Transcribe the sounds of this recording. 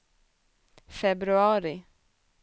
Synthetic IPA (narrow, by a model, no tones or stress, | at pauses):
fɛbɾʉɑːɾɪ